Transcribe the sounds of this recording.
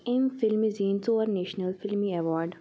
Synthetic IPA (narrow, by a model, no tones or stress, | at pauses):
ẽmfɪlmiziːnsoəɾneːʃnəlfɪlmiɛʋɔːɾɖ